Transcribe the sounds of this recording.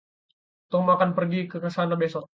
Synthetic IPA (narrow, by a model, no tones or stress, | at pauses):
t̪ɔmakanpərɡikəkəsanabesɔk̚